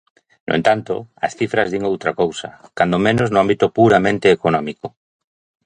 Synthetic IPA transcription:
nʔo̰ḛnt̪ant̪ʊ̰ɐsθifɾɐzðiŋowt̪ɾakowsɐ̰kand̪omẽnoznoʊambit̪ʊpuɾamẽnt̪eːkonɔmiko

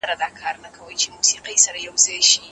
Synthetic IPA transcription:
ɐɾadaːkʰaːɾnɐkʰɐwɐjt͡ʃemuːsiːqɐjsɐɾajɐwzaʃi

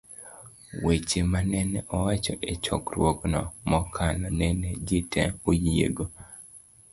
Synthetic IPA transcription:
wet͡ʃemanɛnɛʔɔwat͡ʃɔʔet͡ʃɔ̰kɾwoknɔ̰mɔkʰalɔnɛned͡ʒitɛojiḛɡo

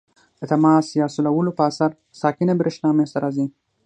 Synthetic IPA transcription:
d̪̥ət̪amɑːsjɑːsulawəlopəasaɾ | sɑːkɪnabɾɪʃnɑːmest̪aɾɑːzi

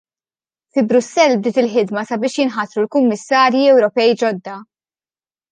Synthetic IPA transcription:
fɪbɾʊsːɛlːbd̪ɪːt̪ɪlħɪd̪mɐsɐbɪːʃjɪnħɐt̪ɾulkʊmːɪsːɐːɾjiɛwɾɔpɛjd͡ʒɔd̪ːɐ

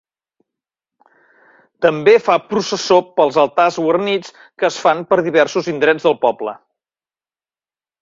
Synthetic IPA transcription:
t̪əmbefapɾusəsopəlˠzəlˠt̪azwərnit͡s | kəːsfanpəɾðiβ̞ɛrsuzind̪ɾɛd͡zðəlˠpɔblə̰

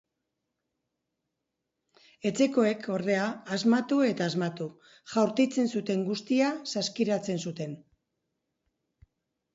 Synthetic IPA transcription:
e̞t͡se̞ko̞e̞kʰo̞ɾðe̞aːzmat̪ue̞t̪aːzmat̪u | ʝawɾt̪it͡se̞nsut̪e̞ŋɡust̪iasaskiɾat͡se̞nsut̪e̞n

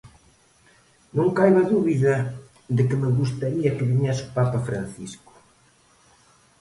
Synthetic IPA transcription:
nõŋkajβɐðuβiðɐ | ðɪkɪmɪɣust̪aɾiɐkɪβiɲɛsupapɐfɾa̰nθiskʊ̥

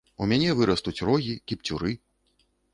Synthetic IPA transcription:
umʲanʲɛvɨɾɐst̪ut͡sʲrɔɣʲikʲipt͡sʲuɾɨ

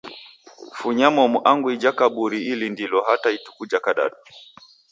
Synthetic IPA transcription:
fuɲamɔmuʔaŋɡuid͡ʒakaɓuɾiilindilɔɦataitu̥kud͡ʒakaɗa̰ɗu

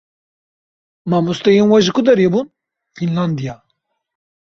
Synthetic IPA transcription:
maːmust̪ɛjenwaʒɨkʊd̪ɐɾebun | finland̪ija

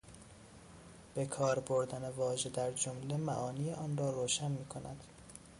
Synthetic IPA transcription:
b̥e̞kʰɒːɾboɾd̪ænevɒːʒe̞d̪æɾd͡ʒomle̞mæʔɒːniːeʔɒːnrɒːɾoːʃænmiːkʰonæ̰d̪̥

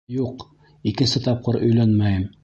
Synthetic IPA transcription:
juq | ikɘ̆nsɘt̪ɑp̚qɤɾʔɵ̆jlænmæjɘm

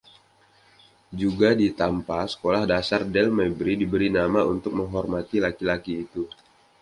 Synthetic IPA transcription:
d͡ʒuɡadit̪ampasə̥kolahdasardɛlmabɾidibəɾinamaunt̪ʊk̚məŋɦɔrmat̪ilakilakiːt̪u

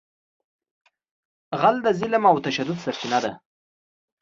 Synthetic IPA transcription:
ɣald̪azɪlmawt̪aʃad̪ʊd̪saɾt͡ʃinad̪a

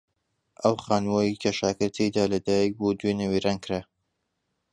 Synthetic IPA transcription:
ʔəwχaːnwojikʰɐʃaːkɨɾt̪ʰejd̪aːlɐd̪aːjik̚bud̪wenɐwiɾankɾa

